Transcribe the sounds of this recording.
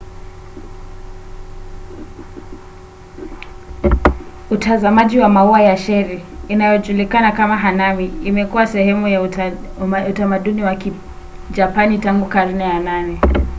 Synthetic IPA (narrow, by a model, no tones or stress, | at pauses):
utazamaʄiwamauajaʃɛɾɛinajɔʄulikanakamaɦanamiimɛkuwasɛhɛmuja | utamaɗuniwaki | d͡ʒapanitaŋɡukaɾinɛjananɛ